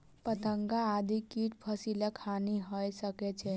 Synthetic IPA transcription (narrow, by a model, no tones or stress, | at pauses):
pət̪əŋɡaːd̪ʱikiʈpʰəsilakʰaniɦəjsəkɛt͡ʃʰɛ